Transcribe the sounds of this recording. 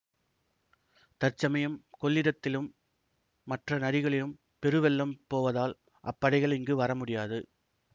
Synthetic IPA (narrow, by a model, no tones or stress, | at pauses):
t̪ɐɾt͡ʃːɐmɐjɯmkɔɭːɪɾɐt̪ːɪlɯmː | ɐʈrɐnɐɾɪɣɐɭɪjɯm | pɛɾɯʋɛlːɐmpoːʋɐðaːl | ʔɐ̰pːɐɽɐɪɣɐɭɪŋɡɯʋɐɾɐmʊɽɪjaːðɯ